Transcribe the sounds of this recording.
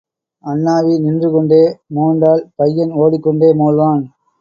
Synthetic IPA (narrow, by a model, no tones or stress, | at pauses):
ɐnːaːʋinɪndrɯkɔɳɖeːmuːɳɖaːlpɐjːɐnoːɽɪkːɔɳɖeːmoːɻʋaːn